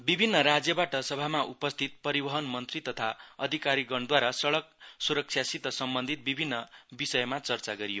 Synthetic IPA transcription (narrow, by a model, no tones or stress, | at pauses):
bibʱinːʌɾad͡zjʌbaʈʌsʌbʱamaʔupʌst̪ʰit̪̚pʌɾibʌɦʌnmʌnt̪rit̪ʌt̪ʰaʌd̪ʱikaɾiɡʌɳd̪waɾasʌɽʌk̚suɾʌk̚sʰjasit̪ʌsʌmbʌnd̪ʱit̪̚bibʱinːʌbisʌjmat͡sʌrt͡saɡʌɾijo